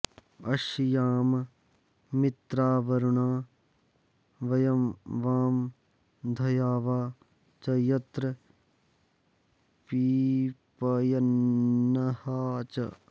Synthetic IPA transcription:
ɐʃjaːm | mɪt̪ɾaːʋɐɾuɳaː | ʋɐjɐmʋaːm | d̪ʱɐjaːʋaː | t͡ʃɐjɐt̪ɾɐ | piːpɐjɐnːɐhaːt͡ʃɐ̰

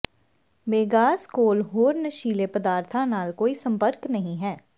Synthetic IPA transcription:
ʋeːɡaːskoːlɦoːɾnəʃiːlepəd̪aːɾt̪ʰanaːlkoːisə̃mpəɾknɐɦĩɦɛː

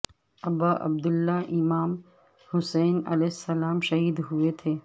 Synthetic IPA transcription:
ɐbaʔɐ̰b̚d̪ʊlːaʔɪmaːm | hʊsɛːnɐ̰lɛːɦɪsːɐlaːmʃɐɦiːd̪ɦuet̪ʰeː

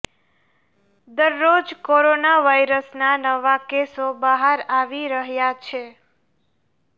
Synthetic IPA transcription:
d̪əɾːod͡ʒkoɾonaʋajɾəsnanəʋakesobəɦaɾaʋiɾəɦjat͡ʃʰe

